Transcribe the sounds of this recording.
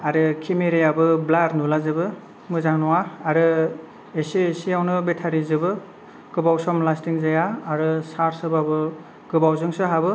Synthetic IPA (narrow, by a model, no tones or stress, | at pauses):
aɾɯkʰimeɾejabɯblaɾnulazɯbɯ | mɯzaŋnɔwaaɾɯ | esiesijawnɯbetʰaɾizɯbɯ | ɡ̥ɯbawsɔmlastiŋzajaːɾɯsaɾsɯbabɯ | ɡ̥ɯbawzɯŋsɯɦabɯ